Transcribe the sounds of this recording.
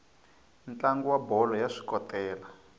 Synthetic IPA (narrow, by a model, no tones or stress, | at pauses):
nt͡ɬaŋɡuwabɔlɔjaʂi̥kɔtɛːla